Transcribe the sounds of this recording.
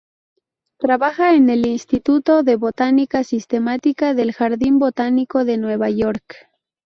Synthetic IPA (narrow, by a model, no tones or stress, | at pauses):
t̪ɾaβaxaene̞linst̪it̪ut̪o̞ðe̞βo̞t̪anikasist̪e̞mat̪ikaðe̞lxaɾðimbo̞t̪aniko̞ðe̞nwe̞βaʝo̞ɾk